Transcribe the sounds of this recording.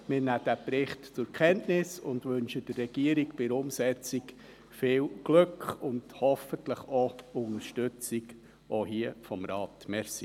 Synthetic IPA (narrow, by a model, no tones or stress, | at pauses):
mɪːɾnæːd̥æpɾɪχtt͡sʊɾkʰɛntnɪsʊndʋɵnʃəd̥ərːɛɡ̥iəɾikpɪɾʊmsɛt͡sik | fɪːlɡ̥løkʰχʊnd̥hɔfəntləχɔʊŋəɾʃtʏt͡sik | ohiəfɔmɾɑːtmɛɾsi